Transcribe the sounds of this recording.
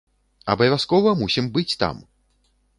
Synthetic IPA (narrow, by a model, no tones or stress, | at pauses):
ɐ̰bɐjvʲaskɔvɐmusʲimbɨt͡sʲt̪a̰m